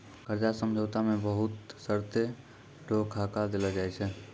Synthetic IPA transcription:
kəɾd͡ʒasəmd͡ʒʱəwt̪amẽbəɦʊt̪səɾt̪e | ɖʱokʰakad̪elad͡ʒaːjt͡ʃʰɛ

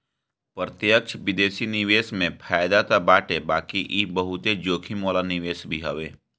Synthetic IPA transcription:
pɾət̪jəkt͡ʃʰʋɪd̪eːsinɪʋeːsmẽpʰaːjd̪at̪abaːʈebaːkiʔibəɦʊt̪ed͡ʒoːkʰimoːlanɪʋeːsbʱiɦɐʋeː

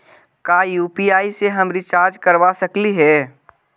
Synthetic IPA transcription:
kajuːpiaːiseɦəmɾit͡ʃaːɾd͡ʒkəɾʋasəkliɦɛː

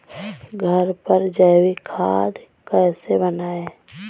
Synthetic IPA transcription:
ɡʱəɾpəɾd͡ʒəːwikʰaːd̪kɛːsebənaːe

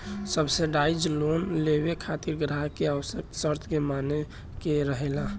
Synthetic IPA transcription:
səbseɖaid͡ʒlonlebekʰat̪iɾɡɾaɦkeaʋəsək̚t̪səɾt̪ʰkemane | keɾəɦela

